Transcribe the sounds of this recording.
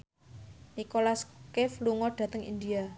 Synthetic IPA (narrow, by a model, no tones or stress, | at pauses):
nikolaskɪfluŋɔɖ̥ä̤t̪əŋḭnd̪ia